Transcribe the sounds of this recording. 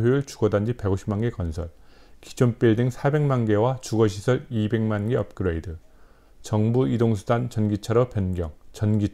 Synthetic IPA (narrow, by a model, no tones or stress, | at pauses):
ɦjeuɭt͡ɕu̥ɡʌdand͡ʑipeɡoɕʰi̥pmanɡe̞kʌnsʰʌɭki̥d͡ʑʰonp͈iɭdeŋsʰabe̞ŋmanɡe̞wat͡ɕuɡʌɕ̬ʰisʰʌɾibe̞ŋmanɡeʌp̚k͈ɯɾoidɯ | t͡ɕʌŋbuidoŋsʰudant͡ɕʌnɡit͡ɕʰaɾʌpjʌnɡjʌŋt͡ɕʌnɡi